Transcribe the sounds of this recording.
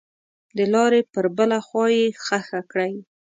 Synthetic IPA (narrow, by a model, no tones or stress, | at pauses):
d̪əlɑɾepəɾbəlaxwɑjexaxakɽaj